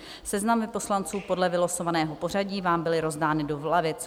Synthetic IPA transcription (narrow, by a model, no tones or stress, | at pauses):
sɛznamɪpo̞slant͡suːpo̞dlɛvɪlosovanɛːɦo̞po̞r̝aɟiːvaːmbɪlɪɾo̞zdaːnɪdo̞vlavɪt͡s